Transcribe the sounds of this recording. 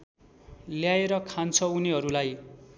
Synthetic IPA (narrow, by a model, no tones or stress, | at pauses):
ljaeɾʌkʰant͡sʰʌuniɦʌɾulaj